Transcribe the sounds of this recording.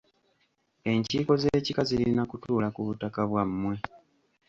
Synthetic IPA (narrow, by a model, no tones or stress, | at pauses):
e̞ɲciːko̞ze̞ːcikazilinakutuːlakuβutakaβwamːwe̞